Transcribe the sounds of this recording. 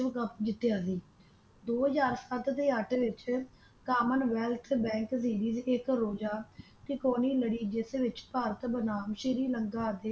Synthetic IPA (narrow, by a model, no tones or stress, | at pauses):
ʋkəpd͡ʒɪt̪jaːsiː | d̪oːɦəzaːɾsət̪t̪eːəʈʋɪt͡ʃ | kaːmənʋɛːlt̪ʰbɛ̃ːŋks̬iːɾiːzɪkɾoːd͡ʒaː | kɪkoːniːləɽiːd͡ʒɪseʋɪt͡ʃpaːɾət̪bənaːmʃɪɾiːləŋɡaːd̪eː